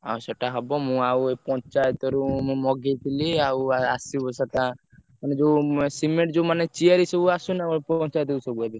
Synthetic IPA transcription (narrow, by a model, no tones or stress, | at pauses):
a̰wsɔʈaɦɔbɔmũawepɔnt͡ʃajt̪ɔɾumũmɔɡʱit̪iliawaa̰sibɔsat̪a | maned͡ʒousimeɳʈd͡ʒowmanet͡ʃiaɾisɔbuasunapɔnt͡ʃajt̪ɔɾusɔbuebi